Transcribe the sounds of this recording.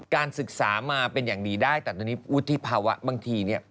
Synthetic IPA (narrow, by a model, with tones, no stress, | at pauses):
kaː˧nsɯ˨˩k̚saː˩˦maː˧pe˧njaː˨˩ŋdiː˧daː˥˩jt̪ɛ˨˩t̪ɔː˧niː˦˥wu˦˥t̪ʰːi˦˥pʰaː˧wa̰˦˥baː˧ŋt̪ʰiː˧ni˥˩ɐ